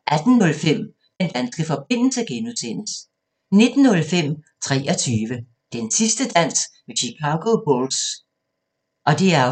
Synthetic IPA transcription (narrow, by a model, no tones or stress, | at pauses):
ʔæd̥n̩ːɔ̽lfem̰ | d̥end̥ænsɡ̥əfɒ̽b̥e̝n̰l̩səɡ̥enusʰen̰əs | ne̝d̥n̩ːɔ̽lfem̰t͡sʰʁɛ̰ːʔɒ̽t͡sʰyːʋə | d̥ensisd̥əd̥æn̰smeɕikʰɑ̈ɡ̥o̝b̥ols | ʔɒ̽d̥e̝æɐ